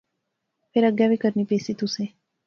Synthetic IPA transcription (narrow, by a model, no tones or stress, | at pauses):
peɾəɡjaʋikəɾnipesit̪ũsẽ